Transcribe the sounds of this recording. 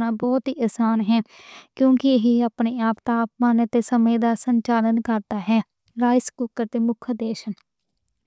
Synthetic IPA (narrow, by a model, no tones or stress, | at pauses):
nãːbɔːt̪ɦiːʔəsaːnɦɛːkjõːkɪɦiaːpneːaːpt̪aːpmãːnət̪eːsəmẽːd̪aːsəɲt͡ʃaːlənkəɾd̪aːɦɛː | ɾaːɪskuːkəɾt̪eːmʊkʰd̪eːʃən